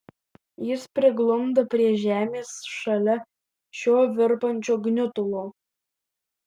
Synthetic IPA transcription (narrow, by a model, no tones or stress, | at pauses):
jɪspʲɾʲɪɡlˠʊmd̪ɐpʲɾʲiɛʒʲæːmʲeːsʃɐlʲɛ | ʃʲoːʋʲɪɾpɐnʲt͡ʃʲoːɡnʲʊt̪ʊlˠoː